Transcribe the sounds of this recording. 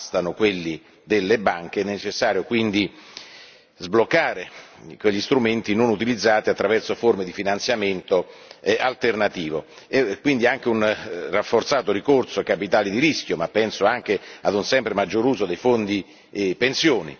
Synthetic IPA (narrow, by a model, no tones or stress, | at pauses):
st̪anokwelːi | d̪elːebaŋk̟eɛnːet͡ʃesːaːɾjokwind̪i | zblokːaːɾekweʎːist̪ɾument̪inonut̪ilid̪zːaːt̪iat̪ːɾavɛrsoformed̪ifinant̪sjament̪oalt̪ernat̪iːvo | ekːwind̪iaŋk̟eunrafːort̪saːt̪oɾikorsokapit̪aːlid̪iɾisk̟jomapːɛnsoaŋk̟ead̪unsɛmpɾemad͡ʒːoɾuːzod̪ejfond̪i | pensjoːnḭ